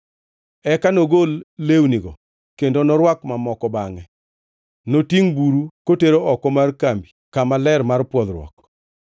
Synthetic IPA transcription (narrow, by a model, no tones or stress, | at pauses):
ɛkanoɡolːewniɡɔ | kendonɔɾwakmamɔkɔbaŋɛ | notiŋbuɾukoteɾoʔɔkɔmarkambikamalɛɾmarpwɔd̪ɾwɔ̰k̚